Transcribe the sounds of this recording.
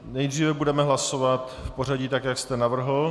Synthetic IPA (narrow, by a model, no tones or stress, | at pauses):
nɛjd̪riːvɛbudɛmɛɦlasovat̪fpo̞ɾaɟiːt̪akjakst̪ɛnavr̩ɦl̩